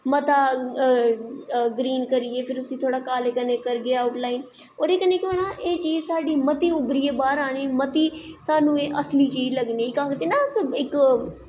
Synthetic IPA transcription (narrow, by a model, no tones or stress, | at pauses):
mət̪aː | ɡɾiːnkəɾiːeːpʰɪɾʊsĩːt̪ʰoːɽaːkaːleːkənẽːkəɾɡeaːʊʈlaːin | oːɾeːkəneːkɪanãːʔeːt͡ʃiːd͡ʒsaːɖiːmət̪iːʊbɾiːeːbaːɾaːniːmət̪iːsaːnũːeːʔəsliːt͡ʃiːd͡ʒləɡniːɪkaːkt̪eːnaːsəbɪk